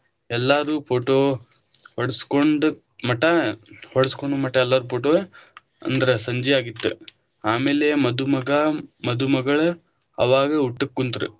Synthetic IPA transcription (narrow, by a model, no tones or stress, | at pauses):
ɛlːaːɾuːpʰoːʈoː | hɔɽɐskoɳɖu | mɐʈːɐhɔɽɐskoɳɖumɐʈːɐɛlːaːɾuːpʰoːʈoː | ɐ̰nd̪ɐɾesɐɲd͡ʒijaːɡit̪ːṵ | aːmeːlemɐd̪umɐɡɐmɐd̪umɐɡɐɭu | ɐ̰ʋaːɡɐuʈːɐkːunt̪ɾṵ